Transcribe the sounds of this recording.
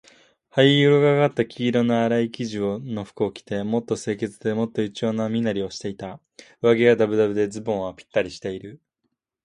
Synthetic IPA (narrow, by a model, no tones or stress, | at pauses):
haiɯɾoɡaɡat̪ːakʲʰiːɾo̞noaɾaikʲiʑiono̞ɸɯ̥kɯokʲi̥t̪e̞mo̞t̪ːo̞se̞ːke̞t͡sɨd̪e̞mo̞t̪ːo̞it͡ɕio̞ːnamʲinaɾʲio̞ɕi̥t̪e̞it̪a | ɯβaɡe̞ɡad̪abɯ̟d̪abɯ̟d̪e̞d͡zɨbõɰ̃apʲi̥t̪ːaɾʲiɕi̥t̪e̞iɾɯ̟